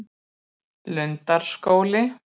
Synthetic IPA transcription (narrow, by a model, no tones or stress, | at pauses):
lʏnt̪aɾ̥skoːwlɪ